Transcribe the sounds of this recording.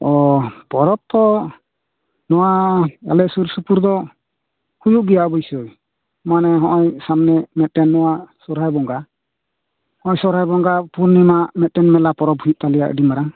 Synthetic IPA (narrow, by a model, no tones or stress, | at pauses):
ɔpɔɾɔp̚t̪ɔ | nɔwaa̰lɛsuɾsupuɾd̪ɔ | hujuʔɡijaʔɔbɔjsɔj | manɛɦɔʔɔjsamnɛmɛt̪̚tɛnːɔwasɔɾɦajbɔŋɡa | hɔ̃ʔɔjsɔɾɦajbɔŋɡapuɾnimaʔmɛt̪̚tɛnmɛlapɔɾɔp̚hujut̪̚t̪alɛja̰ʔɖimaɾaŋ